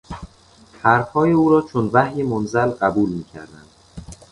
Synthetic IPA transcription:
hæɾfhɒːjeuːɾɒːt͡ʃʰonvæhje̞monzælɢæbuːlmiːcʰæ̰ɾd̪æ̰nd̪̥

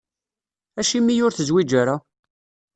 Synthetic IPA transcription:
æʃimːijʊɾθəzwid͡ʒæɾa

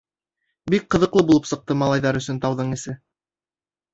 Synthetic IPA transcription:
bik̚qɤ̆ðɤ̆qlˠɤbulˠɤpsɤ̆q̚t̪ɤmɑlˠɑjðɑɾɵ̆sɵnt̪ɑwðɤɴɘ̆sɘ

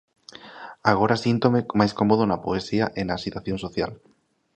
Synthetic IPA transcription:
aɣ̞oɾasint̪omemajskomoð̞onapoesiaʔenasit̪waθjõnsoθja̰l

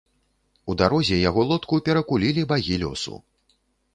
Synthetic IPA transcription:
ud̪aɾɔzʲɛjaɣɔlˠɔt̪kupʲɛɾɐkulʲilʲibaɣʲilʲɔ̰sṵ

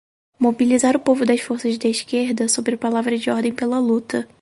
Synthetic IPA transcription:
mobilizaɾʊpovʊd̪ɐsfoɾsɐzd̪ɐɪʃkeɾd̪ɐsobɾɪpalavɾɐd͡ʒɪɔɾd̪ẽj̃pelɐlut̪ɐ

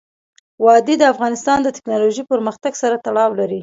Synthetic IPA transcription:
wɑd̪id̪əafɣɑnɪst̪ɑnd̪ət̪ɪ̥knɑloʒipəɾməxt̪aɡsaɾat̪aɽɑwlaɾi

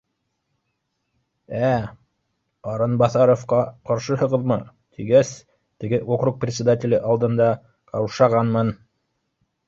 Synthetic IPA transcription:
æ | ɑɾɤnbɑθɑɾofqɑqɑɾʃɤɦɤ̆ʁɤ̆ðmɤ | t̪ʰiɡæs | t̪ɘ̆ɡɘʔokruk̚prʲɪt̪sʲɪd̪atʲɪlʲɘʔɑlˠd̪ɤ̆nd̪ɑ | qɑwʃɑʁɑnmɤn

